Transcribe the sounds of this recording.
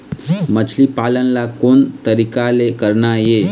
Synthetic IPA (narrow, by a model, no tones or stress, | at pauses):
mət͡ʃʰlipaːlənlakoːnt̪əɾikalekəɾnaje